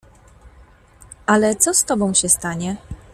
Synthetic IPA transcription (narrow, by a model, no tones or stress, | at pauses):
ʔalɛt̪sɔst̪ɔbɔ̃w̃ɕɛst̪aɲɛ